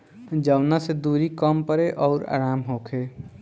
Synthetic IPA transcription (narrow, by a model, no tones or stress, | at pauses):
d͡ʒəʊnased̪uɾikəmpəɾeʔɔːɾa̰ːɾaːmɦoːkʰe